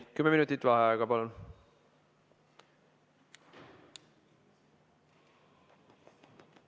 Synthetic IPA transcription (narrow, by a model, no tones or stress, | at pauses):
kymːeminut̪ːˑit̪ːvɑɦeɑeɡɑpɑlon